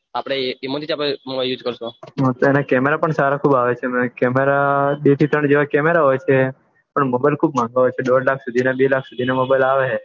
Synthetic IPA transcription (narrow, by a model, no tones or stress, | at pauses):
apɽ̃eimot̪it͡ʃapemobajljuːd͡ʒkəɾʃoɦt̪oɛnakɛmeɾapəɳsaɾakʰuːbaʋet͡ʃʰem̃kɛmeɾaɗet̪ʰit̪ɾəɳd͡ʒeʋakɛmeɾaɦojt͡ʃʰe | pəɳmobajlkʰuːb̚mãŋɡaɦojt͡ʃʰeɗoɖlakʰsud̪ʱinabelakʰsud̪ʱinamobajlaʋe